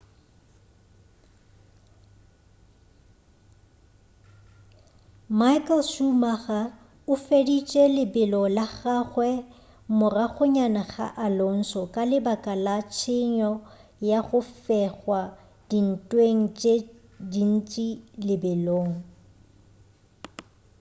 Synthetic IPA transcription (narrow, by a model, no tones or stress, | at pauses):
maɪkʼɛlʃumaɣa | ʊfedit͡ʃʼɛlɪbɪlɔlaχaχwɛ | mʊraɣʊɲanaχa̰ʔalon̩sɔkʼalɪbakʼalat͡ʃʰɪɲɔjaɣʊfɛɣwa | d̥in̩tʼweŋ̩t͡ʃʼe | din̩t͡ʃʼilɪbɪloːŋ̩